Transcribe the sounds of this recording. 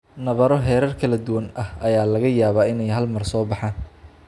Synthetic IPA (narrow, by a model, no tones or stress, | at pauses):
nɐβɐɾɔɦɛːɾɐrkʰɐlɐd̪ʊwɐnʔɐhʔɐjaːlɐɣɐjaːβaːɪnɛjɦɐlmɐrsɔːbɑħaːn